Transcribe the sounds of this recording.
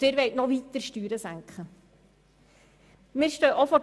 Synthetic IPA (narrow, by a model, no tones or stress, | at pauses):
ɪːɾʋɛɪtnɔʋit̪əɾʃtyːɾəsæŋkχə | mɪːɾʃtœːʔofɔ